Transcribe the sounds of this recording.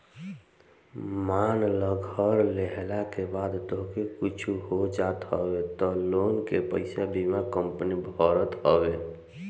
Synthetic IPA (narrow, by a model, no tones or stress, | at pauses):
manləɡʱəɾleɦlakebad̪t̪oɦkekit͡ʃʰuɦod͡ʒat̪ɦɔbet̪ɔloːnkepəɪsabʱimakəmpənibʱɔɾət̪ɦɔbe